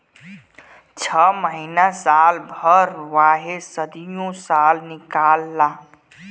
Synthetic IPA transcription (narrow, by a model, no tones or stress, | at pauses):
t͡ʃʰəməɦinasalbʱəɾʋaɦesəd̪ijõsalnikalːa